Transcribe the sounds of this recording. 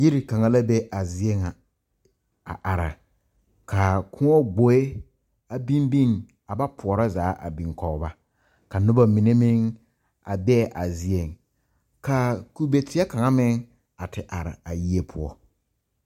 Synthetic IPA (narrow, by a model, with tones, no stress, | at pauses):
ji˦ɾi˨ka˨ŋa˦la˦be˦ʔa˨zi˦e˦ŋa˨ | a̰˨ʔa˨ɾa̰˨ | kʰa˨kʰʊ˦ŋɔ˦ɡ͡bo˨e˦ | a˨bi˦mbi˦ŋ | a˨ba˦pʰʊ˨ɔ˨ɾa˦zaː˨˦ʔa̰˨bi˨ŋkɔ˨˦ba˦ | ka˨nʊ˦ba˦mi˨ne˦mɪ˦ŋ | a̰˨bɛ˦˨ʔa˨zi˦e˨ŋ | ka˨ku˦be˨tɪ˦a˦ka˨ŋa˦mɪ˦ŋ | a˨tɪ˨ʔa˨ɾɪ̰˨a˨ji˦e˦pʰʊ˦ɔ˦